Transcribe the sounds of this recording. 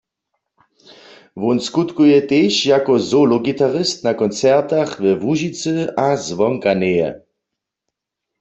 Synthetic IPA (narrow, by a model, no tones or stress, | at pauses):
ʋɔnskut̪kujɛt̪eːʃjakɔzolɔɡit̪aʁɪst̪nakɔnt͡sɛʁt̪aχʋɛʋuʒit͡sɨazʋɔŋkanejɛ̰